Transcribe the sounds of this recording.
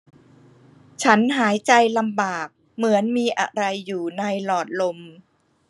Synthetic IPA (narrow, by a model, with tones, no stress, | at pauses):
t͡ɕʰa˦˥nɦaː˩˦jt͡ɕa˧jla˧mbaː˨˩k̚ | mɯ˩˦ənmiː˧ʔa̰˧ɾa˧jːuː˨˩na˧jlɔː˨˩t̪̚lo˧m